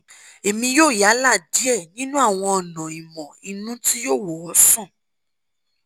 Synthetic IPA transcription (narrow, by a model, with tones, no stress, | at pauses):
e˨mĩ˧joː˦˨ja˨˦la˦˨di˨˦ɛ˦˨nĩ˦nũ˦a˦˨w̃ɔ̃˧ɔ˨nɔ̃˨i˨mɔ̃˨i˧nũ˦ti˦joː˦˨wɔ˨ɔ˨˧˦sɔ̃˦˨